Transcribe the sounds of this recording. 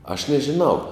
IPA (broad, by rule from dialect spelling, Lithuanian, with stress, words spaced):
ɐʃ nʲɛʒʲɪˈnɐʊ